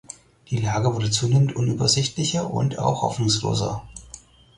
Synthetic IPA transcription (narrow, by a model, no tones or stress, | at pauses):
d̥iːlaːɡəvʊɐdət͡suːneːmən̩tʔʊnyːbɐzɪçtlɪçɐʔʊ̰nta̰ʊxhɔ̰fnʊŋslo̰ːzɐ̰